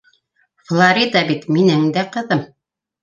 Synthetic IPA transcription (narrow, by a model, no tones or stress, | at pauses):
flˠaɾʲid̪ɑbit̪minɘŋd̪æqɤ̆ðɤm